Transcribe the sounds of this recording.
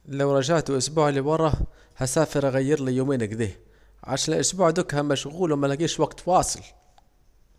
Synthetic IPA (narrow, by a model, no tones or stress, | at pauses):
lawɾˤɑʒaʕt̪wʔʊsbuːʕliwɑɾˤɑ | hasaːfɪɾʔaɣajːɪɾlijoːmeːnaɡd̪eː | ʕa̰ʃaːnɪlʔʊsbuːʕd̪ʊkhamaʃɣuːlwmanaɡiːʃwaɡt̪wɑːsˤɨl